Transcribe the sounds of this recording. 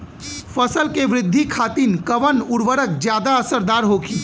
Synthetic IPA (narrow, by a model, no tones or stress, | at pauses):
fəsəlkeʋɾɪd̪ʱːikʰaːt̪iːnkəʋənʊɾʋəɾək̚d͡ʒjaːd̪aəsəɾd̪aːɾɦokiː